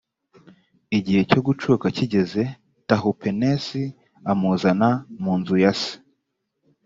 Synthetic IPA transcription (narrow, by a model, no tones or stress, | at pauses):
iɟihe̞co̞ɡut͡ʃukaciɟe̞ze̞ | taɦupʰenesi | amuzanamuːnzujasi̥